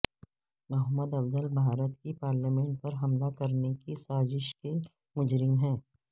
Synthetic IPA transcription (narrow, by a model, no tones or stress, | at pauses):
mɐɦəmːəd̪ɐbzəlbʱaːɾət̪kipaːɾlamẽːɳʈ̚pɐɾɦɐmlakɐɾnekisaːzɪʃke | mʊd͡ʒɾɪmɦɛ̃ː